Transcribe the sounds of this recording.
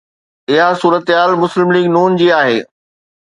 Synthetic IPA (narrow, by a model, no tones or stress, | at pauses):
ɪɦasuːɾət̪ɦaːlmʊslɪmliːɡnuːnd͡ʑiːaːɦeː